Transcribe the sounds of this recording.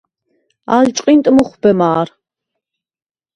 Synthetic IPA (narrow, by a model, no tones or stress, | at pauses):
a̰ːɮt͡ʃʼqʼint̪ʼɨmuχʷʊb̥ɐmaːr